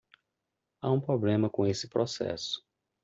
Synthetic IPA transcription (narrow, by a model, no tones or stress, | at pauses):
aũpɾoblẽmɐkõesɪ̥pɾɔsɛ̰sʊ̥